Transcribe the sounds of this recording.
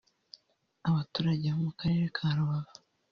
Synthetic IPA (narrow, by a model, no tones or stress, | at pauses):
aβatuːɾaɟeβomukaɾe̞ɾekʰaːɾuβaβa